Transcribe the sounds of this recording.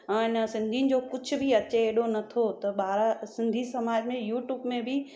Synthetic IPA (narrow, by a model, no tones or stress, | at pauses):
ãɪnəsɪ̃nd̪ʱinɪ̆d͡ʑoːkʊd͡ʑʱʊ̆bʱɪɐt͡ɕeːɗonɐt̪ʰot̪ɐɓaːɾasɪ̃nd̪ʱisɐmaːd͡ʑmẽjuːʈjuːbmẽbʱɪ